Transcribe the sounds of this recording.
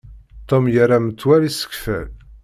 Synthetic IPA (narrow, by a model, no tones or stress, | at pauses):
t̪ːomjərːamət͡s̪ːwælisə̥kfæ̰l